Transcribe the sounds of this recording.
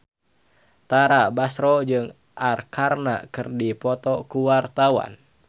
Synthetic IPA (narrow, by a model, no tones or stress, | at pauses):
t̪aɾabasɾɔd͡ʒɨŋ | ʔarkʰarna̰kɨrdipɔt̪ɔkuwart̪awa̰n